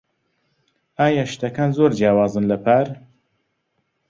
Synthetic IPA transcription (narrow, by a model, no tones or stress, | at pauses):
aːjaʃt̪ɐkaːnzoɾd͡ʒjaːwaːzɨnlɐpʰaɾ